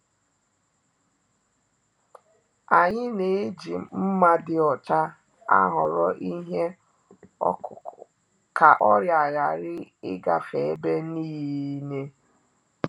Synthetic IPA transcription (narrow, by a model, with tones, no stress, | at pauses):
a˨ɲɪ˦ne˨e˦d͡ʒi˨m̩˦ma˦dɪ˦ɔ˨t͡ʃa˦ | a̰˦ɦɔ˨ɾɔ˦ʔi˦ɦe˦˨ | ka˨ʔɔ˦ɾja˨ɣa˨ɾɪ˦ɪ˦ɡa˨fe˨e˦be˦niː˦ji˦ne˦